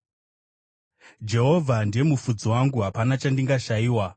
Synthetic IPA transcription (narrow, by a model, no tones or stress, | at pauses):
d͡ʒe̞ɦo̞vʱandie̞mufud͡zowaŋɡuɦapanat͡ʃandiŋɡaʃaiːwa